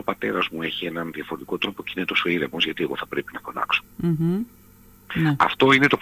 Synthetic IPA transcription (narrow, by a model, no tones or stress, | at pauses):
opɐt̪e̞ɾɐzmue̞çie̞nɐnðiɐfoɾet̪ikot̪ɾo̞po̞ceinet̪o̞soiɾemozʝɐt̪ieɣo̞θɐpɾepinɐfo̞lɐ̰kso̥ | nɛɐ̰ft̪o̞inet̪o̞p